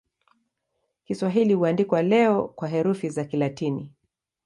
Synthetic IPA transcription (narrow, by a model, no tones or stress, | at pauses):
kiswaɦilihuandikwalɛɔkwaɦɛɾufizakilatinḭ